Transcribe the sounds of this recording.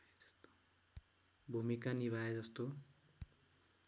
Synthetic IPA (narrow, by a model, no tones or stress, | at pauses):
ʌ̥st̪o̥ | bʱumikaniβʱaed͡zʌst̪o